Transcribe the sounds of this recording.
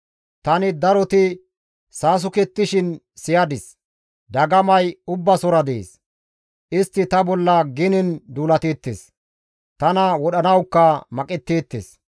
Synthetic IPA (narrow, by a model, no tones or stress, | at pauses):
t̪ɐnɪd̪ɐɾɔt̪ɪ | saːs̬ʊkɛt̪ːɪʃɪn | sɪjɐd̪ɪs | d̪ɐɡɐmɐjʊbːɐsɔɾɐd̪ḛːs | ʔɪst̪ːɪt̪ɐbɔlːɐɡɪnɪnd̪uːlɐt̪eːt̪ːḛːs | t̪ɐnɐwɔɗɐnɐwkːɐmɐkʼɛt̪ːeːt̪ːḛːs